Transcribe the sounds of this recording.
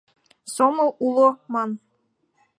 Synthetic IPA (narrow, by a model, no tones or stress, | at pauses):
somɤ̆ulˠomɑn